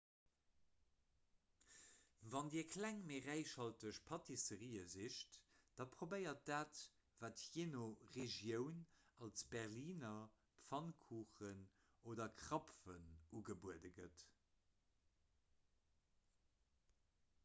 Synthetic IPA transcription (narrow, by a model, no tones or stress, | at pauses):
vɑndiːɐkʰlæŋmeʁæɪʃhɑltəʃpʰɑtʰisəʁiːəziʃtd̥ɑpʁobəɪɐt̚d̥aːt | vaːtjenoʁeʒjəʊnɑlsb̥ɛʁliːnɐ | pfɑnkʰuːχən | oːdɐkʰʁɑpfənuɡəbuədəɡət